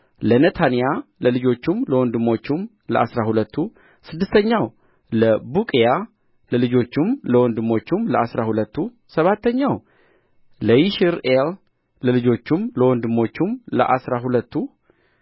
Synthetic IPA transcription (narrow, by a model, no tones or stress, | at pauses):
lənət̪ʰanijaləlɨd͡ʒo̞t͡ʃːumləwɔnd̪ɨmo̞t͡ʃːum | ləʔasɾahulət̪ʰːu | sɨd̪ːɨst̪ʰəɲːaw | ləbukʼeja | ləlɨd͡ʒo̞t͡ʃːumləwɔnd̪ɨmo̞t͡ʃːumləasɾahulət̪ːu | səβat̪ʰːəɲːaw | ləjiʃiɾel | ləlɨd͡ʒo̞t͡ʃːumləwɔnd̪ɨmo̞t͡ʃːumləʔasɾaɦulət̪ʰːu